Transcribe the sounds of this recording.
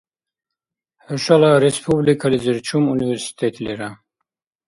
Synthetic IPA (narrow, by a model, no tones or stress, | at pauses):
ħuʃalaɾespʰublikʰaliziɾt͡ʃʰumuniveɾsi̥t̪ʰet̪ʰleɾa